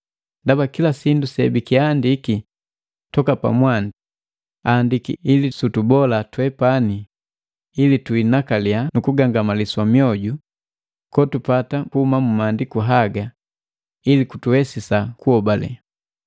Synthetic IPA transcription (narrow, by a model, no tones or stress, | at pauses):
ndabakilasindusɛ̰bikiandiki | tɔkapa̰mwandi | andikḭːlisutubɔlatwɛpaniː | lituinakalianukuɡaŋɡamaliswamijɔɟu | kɔtupatakuumamumandikuɦaɡa | ilikutuhɛsisakuɔbalɛ̰